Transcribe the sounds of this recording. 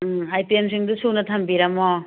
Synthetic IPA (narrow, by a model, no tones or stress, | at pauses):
ajtemsiŋdusunɐtʰɐmbiɾɐmɔ